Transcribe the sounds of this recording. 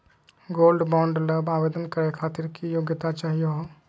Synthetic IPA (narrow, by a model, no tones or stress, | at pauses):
ɡoːlɖbɔ̃ːɳɖləbaːʋeːd̪ənkəɾekʰaːt̪ɪɾkijoːɡjət̪at͡ʃaːɦijoɦoː